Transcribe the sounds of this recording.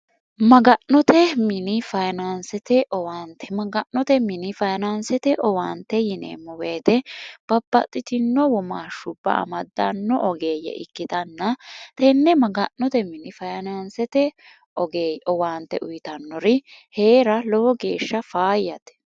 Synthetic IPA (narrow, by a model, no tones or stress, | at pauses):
mɐɡɐnnɔt̪ɛmɪnɪfɐjnansɛt̪ɛʔɔwaːnt̪ɛmɐɡɐʔnːɔt̪ɛmɪnɪfɐjnansɛt̪ɛʔɔwaːnt̪ːɛjɪnḛːmːɔweːt̪ɛb̥ɐbːɐ̰t̪ʼːɪt̪ɪnːɔwɔma̰ːʃʊbːɐ̰ɐ̰mɐd̪ːɐnːɔʔɔɡeːjɛ̰ʔɪ̰kːɪt̪ɐnːɐt̪ɛnːɛmɐɡɐnːɔt̪ɛmɪnɪfɐjnansɛt̪ɛ | ɔɡeːɔwaːnt̪ɛʔʊjɪt̪ɐnːɔɾɪhe̞ːɾɐlɔwɔɡe̞ːʃːɐfaːjːɐt̪ɛ̥